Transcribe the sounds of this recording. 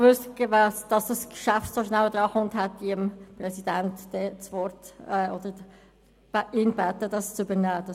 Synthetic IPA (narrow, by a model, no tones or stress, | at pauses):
ʋʉstɡvæsd̥ɑsd̥ɑskʃæftsoʃnæwd̥̪ɾɑːχʊntɦɛtviəmprɛsid̥æntd̥ɛt͡sʋɔɾtɛːɔd̥̪ə̥ | ɪːnb̥æt̪ːəd̥ɑst͡sʏbənæːd̥ɑ